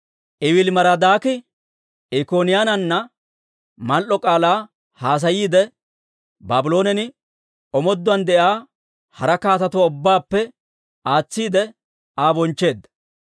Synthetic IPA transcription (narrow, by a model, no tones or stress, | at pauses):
ʔɪwɪlmɐɾɐd̪aːkɪ | ʔɛkoːnɪjaːnɐnːɐ | mɐlʔɔkʼaːlaː | haːs̬ɐjiːd̪ɛ | baːbɪlo̞ːnɛnɪ | ɔmɔd̪ːʊɐnd̪ɛʔaː | hɐɾɐkaːt̪ɐt̪ʊwʊbːaːpːɛ | aːt͡sːiːd̪ɛ | aːbɔnt͡ʃːe̞ːd̪ːɐ̥